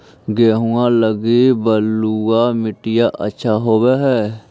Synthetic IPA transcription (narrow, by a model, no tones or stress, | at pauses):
ɡeːɦũãːləɡiːbəlːuaːmɪʈɪjaːʔə̰tːʃʰaːɦoːʋeːɦɛː